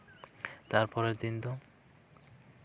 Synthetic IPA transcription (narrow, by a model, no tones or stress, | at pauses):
t̪aɾpɔɾed̪ind̪o